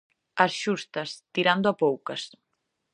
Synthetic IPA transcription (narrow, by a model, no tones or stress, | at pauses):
ɐsʃust̪ɐst̪iɾand̪ʊɐpowkɐs